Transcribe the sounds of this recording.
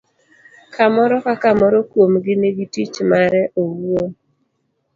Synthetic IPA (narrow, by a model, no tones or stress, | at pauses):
kamɔɾɔkakamɔɾɔkwomɡɪneɡitit͡ʃmaɾɛʔowuo